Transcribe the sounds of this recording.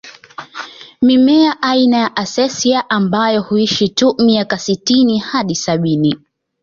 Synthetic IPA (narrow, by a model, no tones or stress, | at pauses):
mimɛaʔainajaʔasɛsiaʔambajɔhuiʃitumiakasitinihaɗisaɓini